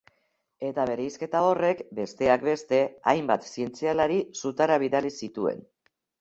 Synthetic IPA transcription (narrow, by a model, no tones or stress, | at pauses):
e̞t̪aβe̞ɾejske̞t̪ao̞re̞kbe̞st̪e̞akbe̞st̪e̞ajmbat̪sie̞nt͡sialaɾisut̪aɾaβ̞iðalisit̪ue̞̰n